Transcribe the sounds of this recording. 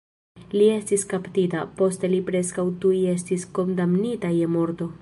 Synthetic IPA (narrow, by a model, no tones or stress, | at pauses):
lie̞stiskaptita̰po̞ste̞lipɾe̞skawtuje̞s̬tisko̞ndamnitajemo̞ɾto̞